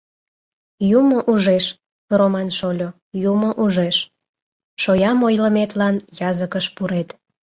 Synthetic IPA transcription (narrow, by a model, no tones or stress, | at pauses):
jumoʔuʒeʃ | romɑnʃolʲo | jumoʔuʒeʃ | ʃojɑmojləmet̪lɑnjɑzəkəʃpuɾet̪